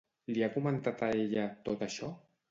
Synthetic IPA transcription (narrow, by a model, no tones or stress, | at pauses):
liakumənt̪at̪əeʎət̪ot̪əʃɔ